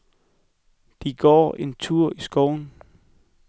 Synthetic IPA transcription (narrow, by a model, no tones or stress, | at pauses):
d̥iɡ̥ɒ̰ːe̝nt͡sʰuɐ̰isɡ̥ɒːʊn̩